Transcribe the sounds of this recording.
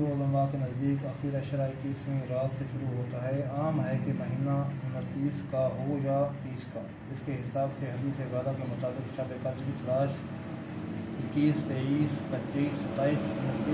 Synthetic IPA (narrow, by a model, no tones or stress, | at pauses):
ɾuoːlə̃ŋɡakenɐzd̪iːkɐxiːɾəʃəɾaɪkːiːsmẽʊɾaːd̪seʃʊɾuɦoːt̪aɦɛaːmɦɛkebɐɦiːnaʊnət̪ːiːskaɦojat̪iːska | d͡ʒɪskeɦɪsaːbseɦɐd̪isezjaːd̪akemʊt̪aːbɪkʃabekɐt͡ʃbit͡ʃɐlaːʃ | ɪkːiːst̪eːiːspətːʃiːst̪aːiːsʊnət̪i